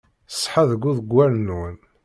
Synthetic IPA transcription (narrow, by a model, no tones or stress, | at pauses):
sˤːħaðəɡʷːuðəɡʷːæɾnun